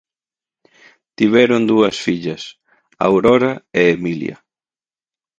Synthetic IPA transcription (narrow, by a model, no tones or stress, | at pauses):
t̪iβ̞ɛɾʊnd̪uɐsfiʎɐs | a̰wɾɔɾɐeemiljɐ̰